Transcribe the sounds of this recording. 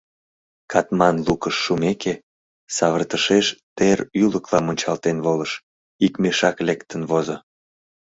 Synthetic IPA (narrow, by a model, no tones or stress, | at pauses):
kɑt̪mɑnlukəʃːumeke | sɑβərt̪əʃeʃt̪eryləklɑmonʲt͡ɕɑlt̪enβoləʃ | ikmeʃɑklekt̪ənβozo